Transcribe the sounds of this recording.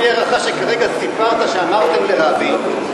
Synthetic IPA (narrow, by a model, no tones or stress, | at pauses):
jeʁaχaʃe̞kaʁe̞ɡasipaʁt̪aʃeamaʁt̪emleʁabi